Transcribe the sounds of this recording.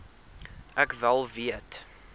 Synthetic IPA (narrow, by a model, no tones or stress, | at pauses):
ʔækvælˠviət